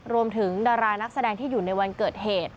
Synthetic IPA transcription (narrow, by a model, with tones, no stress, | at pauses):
ɾu˧əmt̪ʰɯ˩˦ŋdaː˧ɾaː˧na˦˥k̚sa˧dɛː˧ŋt̪ʰiː˥˩juː˨˩na˧jwa˧nkɤː˨˩t̪̚heː˨˩t̪̚